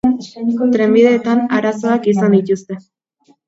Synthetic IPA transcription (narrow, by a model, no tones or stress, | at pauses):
t̪ɾe̞mbiðe̞ːt̪anaɾaso̞akisand̪it̪ust̪e̞